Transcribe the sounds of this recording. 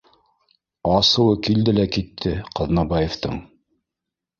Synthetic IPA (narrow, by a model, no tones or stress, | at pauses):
ɑsɤ̆wɤkild̪ɘlækit̪ʰːɘqɤðnɑbɑjeft̪ɤɴ